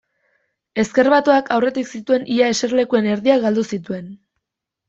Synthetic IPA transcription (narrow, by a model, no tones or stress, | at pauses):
e̞ske̞ɾβat̪oakʰawre̞t̪iksit̪ue̞nʔiaese̞ɾle̞kue̞ne̞ɾðiaɣald̪usit̪ue̞n